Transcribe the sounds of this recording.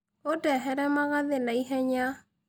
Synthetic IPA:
otɛɦɛɾɛmaɣaðenaiɦɛɲa

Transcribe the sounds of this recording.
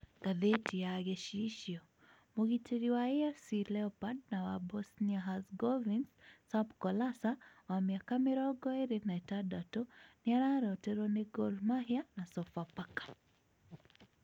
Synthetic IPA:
ɡaðɛtʰijaɣɛʃiʃiɔ | muɣitɛɾiwaɛɛfsilɛɔpad̚nawabɔsniaɦazɡɔvinssabkɔlasawamiakamiɾɔɡɔɛɾinaɛtadatɔniaɾaɾɔɔtɛɾɔnɛɡɔlmahianasɔfapakḁ

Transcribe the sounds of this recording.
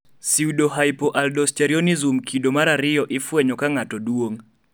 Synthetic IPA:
siudoɦajpoʔaldɔsteɾionizumkʰidomaɾaɾɪjɔʔɪfwɛɲɔkaŋatɔdwoŋ

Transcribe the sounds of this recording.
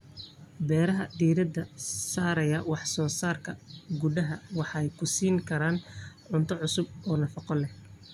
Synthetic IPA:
bɛːɾɐɦɐd̪iːɾɐd̪ɐsaːɾɐjɐwɑħsɔːsaːrkʰɐɡʊdɐɦɐwɑħɑɛjkʰʊsiːŋkʰɐɾaːnʕʊnt̪ʰɔʕʊsʊb̚ɔːnɐfɑqɔlɛh

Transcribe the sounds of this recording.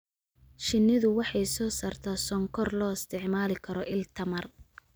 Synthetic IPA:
ʃɪnːɪðʊwɑħɑjsɔːsaːrt̪ʰaːsɔŋkʰɔrlɔːɪst̪ʰɪʕmaːlɪkʰɐɾɔʔɪlt̪ʰɐmɐr

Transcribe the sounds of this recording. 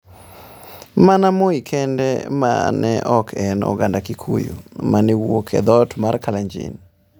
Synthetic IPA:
manamoikʰɛndɛma̰nɛʔɔkʰɛnɔ̰ɡandakikʰojṵmanɛwokʰɛ̰d̪ɔtmarkalaɲd͡ʒɪ̰n

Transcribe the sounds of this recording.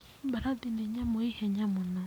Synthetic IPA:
baɾadinɛɲamoihɛɲamona

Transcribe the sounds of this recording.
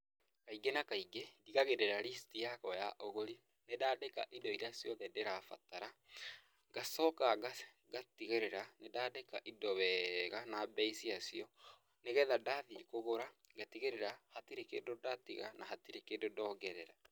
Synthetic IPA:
kaiɡenakaiɡediɣaɣedɛɾaɾistijakɔjaʔoɣoɾi | nedaːdeka̰ʔidɔiɾeasjɔðɛdeɾafa̰taɾa | ɡasɔkaɡa | ɡatiɣeɾeɾanedadeka̰ʔidɔβɛɣanabɛisiasiɔ | neɣɛðadaðikoɣoɾaɡatiɣeɾeɾahatiɾekḛːdodatiɣanaɦatiɾekedodɔːɡɛɾɛɾa

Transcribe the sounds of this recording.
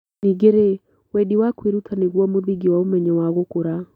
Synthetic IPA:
niɡeɾe | wediwakwiɾutʰaneɣwɔmoðiɡiwaomɛɲɛwaɣokoɾa

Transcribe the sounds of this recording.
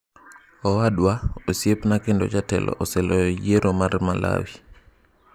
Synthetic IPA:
ɔwaɗwaosjepnakɪndɔ̰t͡ʃatɛ̰lʔɔ̰ʔɔsɛlɔjɔjeɾɔmaɾmalʔa̰wi

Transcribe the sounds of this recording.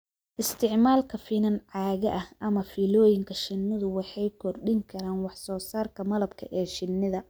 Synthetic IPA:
ʔɪst̪ʰɪʕmaːlkʰɐfinɐnʕɑːɣɐʔɐhʔɐmɐfiːlɔːjɪŋkʰɐʃɪnːɪðʊwɑħɑjkʰɔrɗɪŋkʰɐɾaːnwɑħsɔːsaːrkʰɐmɐlɐbkʰɐʔɛːʃɪnːɪðɐ

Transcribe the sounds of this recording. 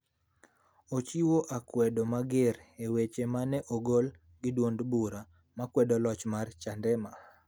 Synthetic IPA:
ot͡ʃiwoʔakwɛdomaɡɪɾewet͡ʃemanɛʔoɡol | ɡɪdwondbuɾa | makwɛdɔlɔt͡ʃmart͡ʃandɛma

